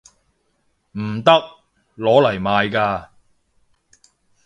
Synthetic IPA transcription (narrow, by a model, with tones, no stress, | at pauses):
m̩˨˩t̪ɐ˥k̚ | lɔː˨˥lɐ˨˩jmaː˨˧jkaː˧